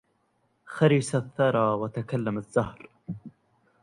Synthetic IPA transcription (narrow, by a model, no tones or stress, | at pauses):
xaɾisaθːɑɾˤɑːwat̪akalːamazːahɾ